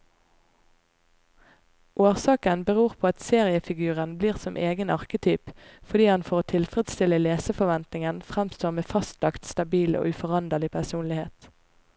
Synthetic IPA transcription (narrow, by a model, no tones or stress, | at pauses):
ʔoːʁsɑːkənbəʁuːʁpʰoːɑt̪seːʁɪəfɪɡʉːʁənbliːʁsɔmʔeːɡənɑʁkət̪ʰyːpfɔd̪iːhɑnfɔʁoːt̪ʰɪlfʁɛd̪st̪ɪləleːsəfɔʋɛnt̪nɪŋənfʁæmst̪oːʁmeːfɑst̪lɑkt̪st̪ɑbiːlo̰ːʉfɔʁɑnd̪əʁlɪpʰæsuːnlɪheːt̪